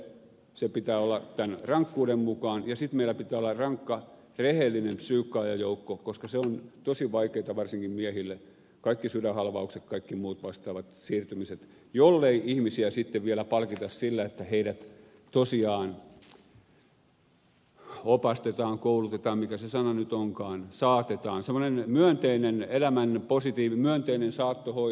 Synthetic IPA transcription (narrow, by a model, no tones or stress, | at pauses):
sepit̪æːolːɑt̪ænrɑŋkːuːɾemmukɑːnjɑsit̪meilˑæpit̪æːolːɑrɑŋkːɑ | rehelːinempsyːkːɑːjɑjoukːokoskɑseont̪osiʋɑikeit̪ɑʋɑrsiŋkimmiæhilːe | kɑikːisylæhɑlʋɑukset̪kɑikːimuːt̪ʋɑst̪ɑːʋɑt̪siːrt̪ymiset̪ | jolːeiihmisiæsit̪ːeʋʋielæpɑlkit̪ɑssilːæet̪ːæheiɾæt̪ | t̪osiɑːn | opɑst̪et̪ɑːŋkoulut̪et̪ɑːmmikæsesɑnɑnyt̪oŋkɑːnsɑːt̪et̪ɑːnsemːˑonenmyønt̪einenelæmænposit̪iːʋimyønt̪einensɑːt̪ːoho